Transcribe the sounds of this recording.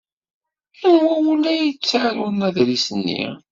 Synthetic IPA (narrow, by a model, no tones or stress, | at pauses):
ənwæwulæjət͡sːaʕlwənæðɾisənːḭ